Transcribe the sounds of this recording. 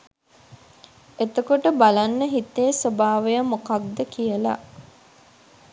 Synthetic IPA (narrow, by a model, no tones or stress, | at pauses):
et̪əkoʈəbalanːəɦit̪ːesobaːʋejəmokaɡ̚d̪əkijəla̰